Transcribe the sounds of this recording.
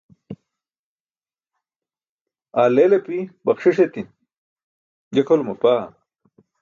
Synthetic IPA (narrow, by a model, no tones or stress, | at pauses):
aːlelepibɐχʂiʂ̬et̪i | d͡ʑekʰolmɐpaː